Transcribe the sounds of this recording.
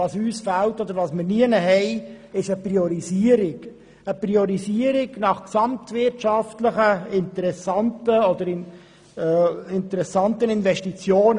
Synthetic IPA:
ɑːsyːsfæltɔd̪əɾvɑːsmɪɾniənəɦɛɪ | ɪʃəprioɾisiəɾɪɡ | əpriɔɾisiəɾɪɡnɑχksɑmt̪vɪrtʃɑftləχəɪnt̪əɾɛsɑntəɔd̪əɾɪn | ɪnt̪əɾɛsɑntənɪnvɛʃtit͡sjoːnə

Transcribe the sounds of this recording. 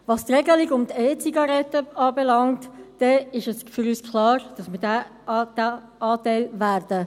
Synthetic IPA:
vɑst̪rɛɡəlɪɡʊmtɛːt͡siɡɑɾɛtəɑːbɛlɑŋtːɛɪʃəsfʏɾyːskʰlɑːɾd̥ɑsmɪda | d̥a | ʔɑːtæɪlvæːɾd̥ə

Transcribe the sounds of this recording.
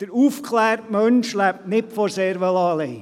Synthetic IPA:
d̥əɾuːfkχlæːɾtmœnʃlæp̚nɪpfɔɾseːɾʋəlɑleː

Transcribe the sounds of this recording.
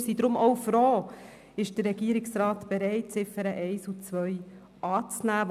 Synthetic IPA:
sidɾʊmʔɔwfɾɔː | ɪʃd̥ərːɛɡiəɾɪksɾɑːtb̥eɾɛɪtsɪfəɾəʔɛɪsut͡sʋœj | ʔɑːt͡snæː

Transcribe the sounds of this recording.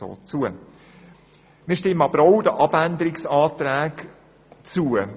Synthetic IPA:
o̰ːt͡suə | mɪːʃtɪmːəɑbɾoʊdəʔɑb̥ænd̪əɾɪksɑːt̪ɾæːk | t͡suə

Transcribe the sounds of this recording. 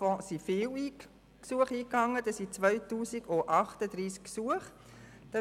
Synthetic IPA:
fɔ̃sifɪːli | ksuəχiːkɑŋːəd̥ɑsit͡svœʏtuːsiɡoʔɑχtədɾiːsksuəχ | d̥ɑ

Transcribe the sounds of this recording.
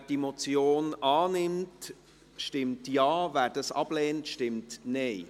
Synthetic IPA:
dimot͡sjoːnɑːnɪmt | ʃtɪmtjɑːvæːɾd̥ɑsɑ̰b̥lɛːntʃtɪmtneɪ

